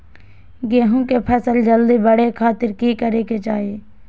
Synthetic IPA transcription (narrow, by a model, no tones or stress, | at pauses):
ɡeːɦũkepʰɛːsəld͡ʒəld̪ibəɽekʰaːt̪ɪɾkikəɾeːked͡ʒaːɦieː